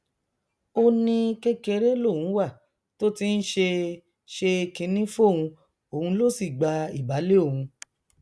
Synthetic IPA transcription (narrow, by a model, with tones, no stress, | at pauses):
o˧nĩ˧ke˦ke˧ɾe˦lo˦˨hũ˨˦wa˦˨ | to˦ti˦n̩˦ʃe˧ | ʃe˧kĩ˧˦nĩ˦fo˦˨hũ˧ | o˨ũ˧˦lo˦˨si˦˨ɡ͡ba˧i˦˨ba˨˦le˦o˦˨ɦũ˧